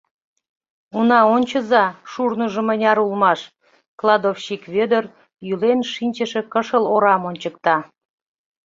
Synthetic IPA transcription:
unɑonʲt͡ɕə̆zɑʃurnuʒə̆mənʲɑɾulmɑʃ | klˠɑd̪ofɕikβød̪ər | jylenʃinʲt͡ɕə̆ʃĕkəʃəloɾɑmonʲt͡ɕək̚t̪ɑ

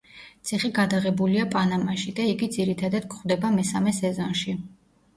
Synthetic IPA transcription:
t̪sʰiχiɡad̪aʁɛbuliapʼanamaʃid̪aiɡid̪ziɾit̪ʰad̪ad̪̥kʰχwvd̪ɛbamɛsamɛsɛzɔnʃi

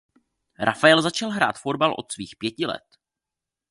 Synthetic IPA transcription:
ɾʔafaɛlzat͡ʃalɦɾa̰ːt̪fo̞d̪̚balʔo̞̰t̪sviːxpjɛcɪlɛ̰t̪

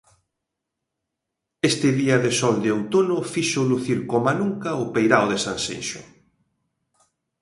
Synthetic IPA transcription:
est̪ɪðiɐðɪsɔld̪eowt̪onʊfiʃoluθiɾkomanuŋkɐʊpejɾaoðesansḛjʃʊ̰

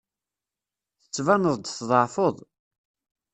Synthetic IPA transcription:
θə̥t͡sːvænəðˤd̪θðˤʕfoðˤ

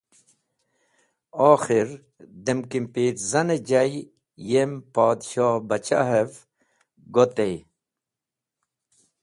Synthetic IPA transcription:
ɔːxiɾ | d̪emkimpiːt̪zɐned͡ʑaj | jempɑːd̪ɕɑːbɐt͡ɕaɦev | ɡot̪ej

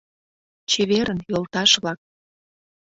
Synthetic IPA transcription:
t͡ɕeβeɾənjolt̪ɑʃβlɑk̚

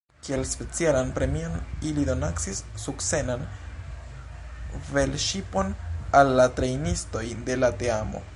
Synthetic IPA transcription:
kie̞lspe̞t͡sialanpɾe̞mio̞nilido̞naksisːukse̞nan | ve̞lʃipo̞nalːatɾe̞jnisto̞jde̞late̞amo̞̰

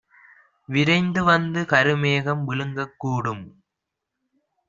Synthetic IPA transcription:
ʋɪɾɐɪnd̪ɯʋɐnd̪ɯkɐɾɯmeːɣɐmʋɪlɯŋɡɐkːuːɽɯm

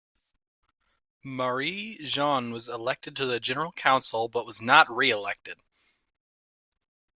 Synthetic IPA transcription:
mə˞iʒɑ̃nwʌzəlɛk̚tɨd̚tʰɨðɨd͡ʒɛnə˞l̩ˠkʰãʊ̃nsl̩ˠbʌt̚wʌznət̚ɹiɨlɛk̚tɨd̥

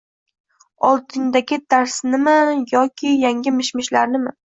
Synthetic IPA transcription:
ɒlˠt̪ʰɪŋd̪aɡʲɪd̪aɾsnɪmɪjɒkʲʰɪjaŋʲɪmɪʃmɪʃlaɾnɪmɪ

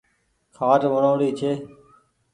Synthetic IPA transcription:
kʰaːʈʋəɳoːɽiːt͡ʃʰeː

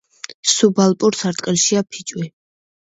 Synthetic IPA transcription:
subalˠpʼuɾsaɾt̪ʼqʼilʃiapʰit͡ʃʼwi

